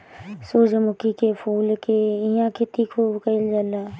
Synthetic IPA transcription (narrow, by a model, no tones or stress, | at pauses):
soːd͡ʒmʊkikepʰuːlkeɪjãkʰet̪ikʰuːbkəɪld͡ʒəla